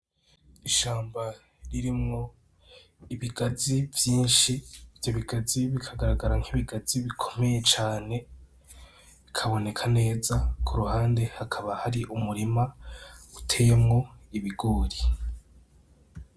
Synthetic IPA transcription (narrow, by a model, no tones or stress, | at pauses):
iʃaːmba | ɾiɾimŋo̞ | iβiɡazivjiːnʃivjoβiɡaziβikʰaɡaɾaɡaɾaŋ̥hiβiɡaz̥iβikʰo̞̥me̞je̞t͡ʃaːne̞ | βikʰaβo̞ne̞kʰane̞ːzakʰuɾuhaːnde̞hakʰaβahaɾiʔumuɾimautʰejemŋo̞iβiɡoːɾi